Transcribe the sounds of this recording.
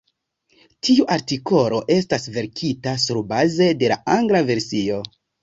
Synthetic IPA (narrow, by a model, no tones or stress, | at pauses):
tʰiuʔaɾtiko̞lo̞ʔe̞stasve̞ɾkʰitasuɾbaze̞de̞laaŋɡlave̞ɾsio̞